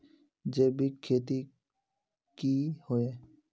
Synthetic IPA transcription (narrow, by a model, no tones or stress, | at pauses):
d͡ʒebikʰːeːt̪i | kihoe